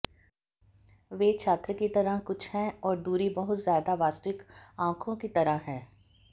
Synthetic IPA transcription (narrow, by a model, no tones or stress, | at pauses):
ʋeːt͡ʃʰaːt̪ɾəkit̪ɐɾəkʊt͡ʃʰhɛ̃ɔːɾd̪uːɾibɐɦʊt̪zjaːd̪aʋaːst̪ɪkãːkʰõkit̪ɐɾaɦɛ̃ː